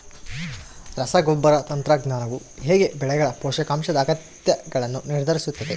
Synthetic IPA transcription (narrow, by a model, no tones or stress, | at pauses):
ɾɐsɐɡobːɐɾɐt̪ɐnt̪ɾɐɡnaːnɐʋu | ɦeːɡe̞bɛɭɛɡɐɭɐpɔːʂɐkaːmʃɐd̪ɐːɡɐt̪jɐɡɐɭɐnːuniɾd̪ʱɐɾisut̪ːɐd̪e